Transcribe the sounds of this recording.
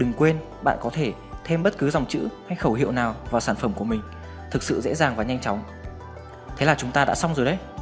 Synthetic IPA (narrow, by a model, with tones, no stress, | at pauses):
ɗɨ˨˩ŋkwe˧n | ɓa̰ː˧˨nkɔ˨˦t̪ʰe˧˩ | t̪ʰe˧mɓə˦˥t̚kɨ˨˦za˨˩wŋ͡mt͡ɕɨ̰˧˥ha˧jxə˧˩wɦḭ˧˨wnaː˨˩wvaː˨˩wsaː˧˩nfə˧˩mku˧˩əmï˨˩ŋ̟ | t̪ʰɨ˨˩k̚sɨ̰˧˨zḛ˧˥zaː˨˩ŋvaː˨˩ɲa˧jŋ̟t͡ɕɔ˨˦wŋ͡m | t̪ʰe˨˦laː˨˩t͡ɕʊ˨˦ŋ͡mt̪aː˧ɗa̰ː˧˥sa˧wŋ͡mzo˨˩jɗə˧˦j